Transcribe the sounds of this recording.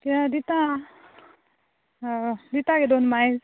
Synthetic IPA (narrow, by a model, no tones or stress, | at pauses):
kiad̪it̪a | d̪it̪aked̪onmajz